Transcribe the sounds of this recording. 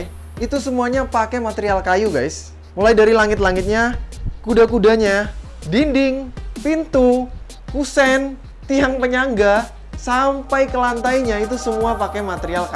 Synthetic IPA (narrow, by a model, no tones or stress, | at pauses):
it̪usəmuaɲapakemat̪eɾialkajuɡajs | mulajdaɾilaŋɪt̪laŋɪt̪̚ɲakudakudaɲa | dindɪŋpint̪u | kusɛn | t̪iaŋpəɲaŋɡa | sampajkəlant̪aiɲait̪usəmuapakemat̪əɾialka